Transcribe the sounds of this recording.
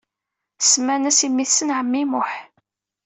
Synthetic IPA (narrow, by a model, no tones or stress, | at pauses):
smænæsimːiθsənʕəmːimʊħ